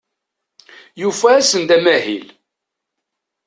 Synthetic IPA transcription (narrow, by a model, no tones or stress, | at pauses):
jufæːsənd̪æmæɦḭl